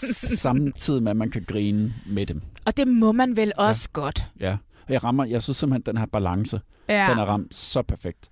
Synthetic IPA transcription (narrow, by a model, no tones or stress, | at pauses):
sɑ̈mt͡sʰið̰ˠimeæmænkʰæɡ̥ʁiːnəmed̥emɒ̽d̥e̝mɒ̽mænʋelɒ̽sə̥ɡ̥ɒ̽d̥jæ | ɒjɑ̈ʁɑ̈m̰ɐjɑ̈ɪsynsːim̥̩hend̥enhæɐb̥ælɑ̈ŋsə̥ | enæɐʁɑ̈m̰d̥sɒ̽pʰæɐfeɡ̥̚d̥